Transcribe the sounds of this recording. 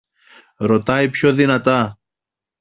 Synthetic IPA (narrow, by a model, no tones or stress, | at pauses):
ɾo̞t̪ɐipço̞ðinɐt̪ɐ